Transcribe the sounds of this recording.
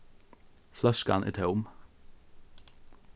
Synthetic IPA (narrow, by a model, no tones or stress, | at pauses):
flɑskɑ̰nʔɛ̰ːt̪ʰeːʊm